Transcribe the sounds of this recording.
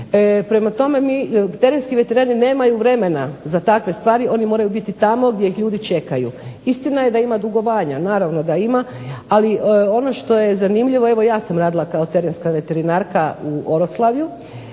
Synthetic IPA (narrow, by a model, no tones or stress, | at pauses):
pɾe̞mat̪o̞me̞mit̪eɾenskiʋe̞t̪e̞ɾaːnine̞ːmajuʋɾe̞me̞nazat̪akʋe̞st̪ʋaːɾiʔo̞nimo̞ːɾajubit̪it̪amo̞ɡd̪ʲjejixʎuːd̪it͡ʃe̞kajṵist̪inaje̞d̪aimad̪uɡo̞ʋaːɲanaːɾaʋno̞d̪aima | aliʔo̞no̞ʃt̪o̞je̞zanimʎiʋo̞e̞ʋo̞jaːsamɾaːd̪ilˠakao̞t̪e̞ɾenskaʋe̞t̪e̞ɾinaːɾkauʔo̞ɾo̞slˠaʋju